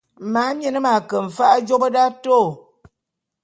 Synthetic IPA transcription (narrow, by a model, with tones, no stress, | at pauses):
ma˨˦m˦ɛ˨nə˦ma˨kə˨m̩˨fa˦ʔd͡ʒo˦bə˦da˦to˦˨